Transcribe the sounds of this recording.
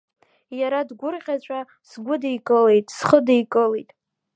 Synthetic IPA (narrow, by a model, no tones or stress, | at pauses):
jaɾadɡʷʊrʁʲat͡ɕʷʰʼa | sɡʷʊdejkʼɨle̞jtʼsχədejkʼɨlejtʼ